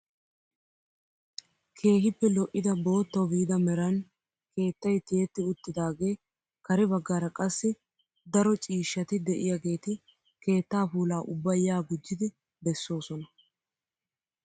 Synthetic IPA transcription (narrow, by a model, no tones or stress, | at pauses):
kʰe̞ːɦɪpːɛlɔʔːɪd̪ɐbo̞ːt̪ːɐwbid̪ɐmɛɾɐn | ke̞ːt̪ːɐjt̪ɪɛt̪ːɪʊt̪ːɪd̪aːɡe̞ː | kɐɾɛbɐɡːaːɾɐkʼɐsːɪ | d̪ɐɾɔt͡ʃʼiːʃːɐt̪ɪd̪ɛʔɪjaɡe̞ːt̪ɪ | ke̞ːt̪ːaːfuːlaːʔʊbːɐjːaːɡʊd͡ʒːɪd̪ɪ | bɛsːo̞ːsɔnɐ